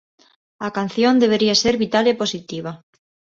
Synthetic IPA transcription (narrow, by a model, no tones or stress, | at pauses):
akan̟θjond̪eβ̞eɾiaseɾβit̪aleposit̪iβ̞a